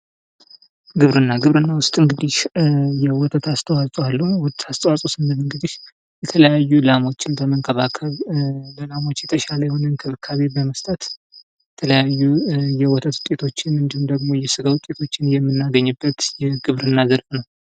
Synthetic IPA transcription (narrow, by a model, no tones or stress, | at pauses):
ɡɨβɾɨnːaɡɨβɾɨnːawʊst̪ʼɨŋɡɨd̪ihjɛwɔt̪ʰʼət̪ast̪ʰəwasʼwalːəhuwɔt̪ast̪ʰʼəwasʼosɨnd̪əmɨŋɡɨd̪iʃ | jɛt̪ʰələjajːulamo̞t͡ʃːɪnbəməŋkʰʼəβakʰəβləlamo̞t͡ʃːjɛt̪ʰəʃaləjɛho̞nənkʰɨβɨkʰːaβe̞bəməst̪ʼət̪ | jjɛt̪ʰələjajːujɛwɔt̪ʰʼət̪wʊt̪ʼːe̞t̪ʰo̞t͡ʃːɪnɨnd̪ihumd̪əɡmo̞jɛsɨɡawʊt̪ʼe̞t̪ʰo̞t͡ʃːɪnjɛmːɨnːaɡəɲːɨbːət̪jɛɡɨβɾɨnːazəɾfʼnəw